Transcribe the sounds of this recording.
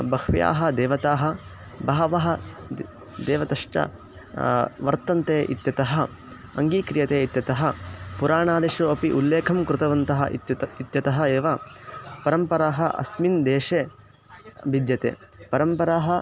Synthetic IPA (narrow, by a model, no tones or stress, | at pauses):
bɐkʰʋija̰ːɦɐ̆d̪eːʋɐt̪aːɦɐ | bɐɦɐʋɐɦɐ̆ | d̪eːʋɐt̪ɐʂʈɐ̰ | ʋɐɾt̪ɐnt̪eːʔḭt̪jɐt̪ɐɦɐ̆ | ɐŋɡiːkɾijɐt̪eːit̪jɐt̪ɐɦɐ̆puɾaːɳaːd̪eʃuɐpiʔulːeːkʰɐmkɾɪt̪ɐʋɐnt̪ɐɦɐit̪jɐt̪ɐɦɐ̆eːʋɐpɐɾɐmpɐɾaːɦɐʔɐ̰smind̪eːʂeː | bid̪jɐt̪ḛːpɐɾɐmpɐɾaːɦɐ